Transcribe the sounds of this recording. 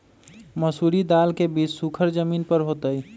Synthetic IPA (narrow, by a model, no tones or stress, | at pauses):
məsuːɾid̪aːlkebiːt͡ʃsukʰəɾd͡ʒəmiːnpəɾɦoːt̪əi